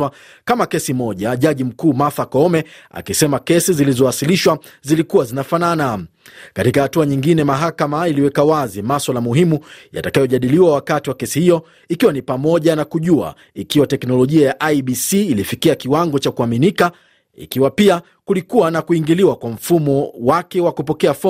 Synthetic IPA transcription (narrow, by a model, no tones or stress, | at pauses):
a | kamakɛsimɔʄaʄaʄim̩kuːmaθakɔɔmɛa̰kisɛmakɛsizilizɔasiliʃwazilikuwazinafanana | katikahatuaɲiŋɡinɛmaɦakamailiwɛkawazimaswalamuɦimuja̰takajɔʄaɗiliwawakatiwakɛsihijɔ | ikiwanipamɔʄanakuʄua̰ | ikiwatɛknɔlɔʄiajaʔaiɓisiːlifikiakiwaŋɡɔt͡ʃakuaminika | ḭkiwapia | kulikuwanakuiŋɡiliwakwam̩fumɔwakɛwakupɔkɛafɔ